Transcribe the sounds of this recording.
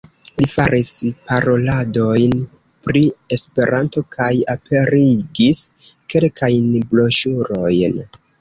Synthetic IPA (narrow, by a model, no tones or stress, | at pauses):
lifaɾʔispaɾo̞lado̞jn | pɾie̞spe̞ɾʔanto̞kʰajapʰe̞ɾiɡiske̞lkʰajnblo̞ʃuɾo̞jn